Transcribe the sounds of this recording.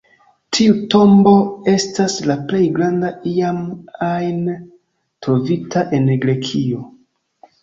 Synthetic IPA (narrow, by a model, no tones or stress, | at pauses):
tʰiuto̞mbo̞e̞staslaple̞jɡɾandaiamajn | tɾo̞vitʰaʔe̞nɡɾe̞kʰio̞